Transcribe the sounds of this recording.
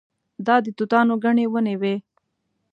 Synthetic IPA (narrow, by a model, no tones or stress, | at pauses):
d̪ɑd̪ət̪ut̪ɑːnoɡaɳewənewe